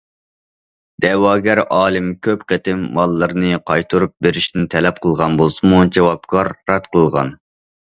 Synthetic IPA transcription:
d̪̥ɛwɑːɡʲæɾɑːlˠɨmkʲʰøpqʰet̪ʰɪmːɑlˠːəɾnɨqʰɑjt̪ʰuɾup̚beɾiʃt̪ɪnt̪ʰɛlɛp̚qʰəlˠʁɑnbolˠsɨmud͡ʒewɑp̚kʰɑɾːɑt̪̚qʰəlˠʁɑ̰n

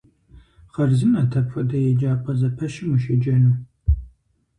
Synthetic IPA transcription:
χɐrzɨnɐtʰɐpfɐdɐjɛd͡ʒaːpʰɐzɐpʰɐʃɪmɨʃɐd͡ʒɐnuː

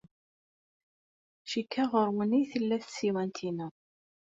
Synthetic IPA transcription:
ʃikʰːaʁəɾwəniθəlːæθsiwænt̪ʰinə

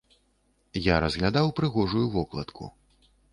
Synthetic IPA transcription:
jaɾɐzɣlʲad̪awpɾɨɣɔʐujuvɔklˠɐ̰t̪kʰṵ

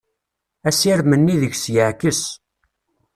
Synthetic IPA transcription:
æsiɾmənːiðəʝsjəʕkəs

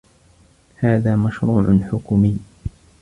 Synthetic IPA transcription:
haːðaːmaʃɾuːʕʊħʊkmɪː

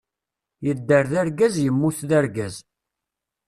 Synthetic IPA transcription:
jəd̪ːəɾðæɾɡæzjəmːuθðæɾɡæz

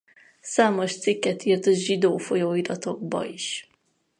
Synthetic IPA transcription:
saːmo̞ʃt̪sikːɛt̪iːrt̪ɒʒid̪oːfojoːid̪ɒt̪o̞ɡ̚bɒ̰iʃ

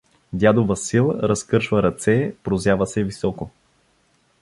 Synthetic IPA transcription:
d̪ʲjad̪ovəsilˠɾɐskɤɾʃvəɾɐt̪sɛpɾozjavəsɛvisɔko

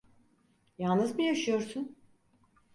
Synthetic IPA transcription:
jalˠnɯzmujaʃɯjo̞ɾsun

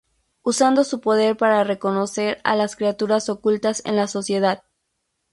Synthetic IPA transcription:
usand̪o̞supo̞ðe̞ɾpaɾare̞ko̞no̞se̞ɾa̰laskɾiat̪uɾaso̞kult̪ase̞̰nlaso̞sje̞ð̞að

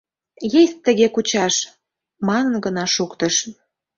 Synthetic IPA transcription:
jesʲt̪ːə̆ɣekut͡ɕɑʃ | mɑnə̆nɡənɑʃukt̪ə̆ʃ

